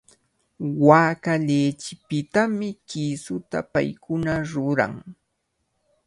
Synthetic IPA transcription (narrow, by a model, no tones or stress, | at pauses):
waːkaʎeːt͡ʃɪpɪt̪amɪkisʊt̪a̰pa̰jkʊnaɾʊɾa̰ŋ